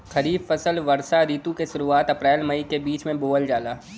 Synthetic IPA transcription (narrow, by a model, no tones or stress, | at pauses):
kɐɾiːbfɐsəlʋɐɾsaɾiːt̪ũkeʃʊɾuaːt̪ɐpɾɛːlmɐikebiːt͡ʃmẽboːəld͡ʒaːlaː